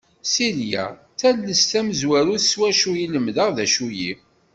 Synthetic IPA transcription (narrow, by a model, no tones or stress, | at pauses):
siljæ̰ | t͡sælːəst̪æməzwæɾuθswæʃujiləmðəʁðæʃuji